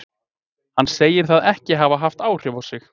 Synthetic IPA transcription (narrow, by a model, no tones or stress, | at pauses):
hanːseːjɪɾ̥θaðɛhcɪɦavaɦaft̪aːwr̥ʏwvawsɪx